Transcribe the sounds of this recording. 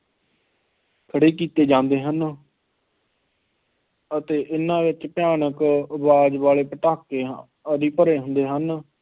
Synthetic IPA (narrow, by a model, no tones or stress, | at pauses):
kʰəɽeːkiːt̪eːd͡ʒãːnd̪eːɦən | ət̪eːʔɪnãːʋɪt͡ʃpɪjaːɳəkəbaːd͡ʒʋaːleːpəʈaːkeː | əɾiːpəɾeːɦʊ̃nd̪eːɦən